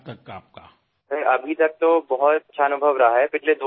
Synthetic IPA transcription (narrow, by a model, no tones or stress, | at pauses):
t̪ɐkːaːp̚ka | sɐɾɐbʱit̪ɐk̚t̪obɐɦʊt̪ɐtːʃʰaːnʊbʱəʋɾɐɦaɦɛpɪt͡ʃʰled̪o